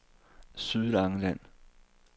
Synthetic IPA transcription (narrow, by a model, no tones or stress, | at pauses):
syðˠlɑ̈ŋəlæn̰